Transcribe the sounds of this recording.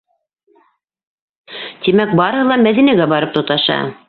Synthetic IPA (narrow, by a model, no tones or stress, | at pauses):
t̪imæk̚bɑɾɤ̆hɤlˠɑmæðinæɡæbɑɾɤp̚t̪ŏt̪ɑʃɑ̰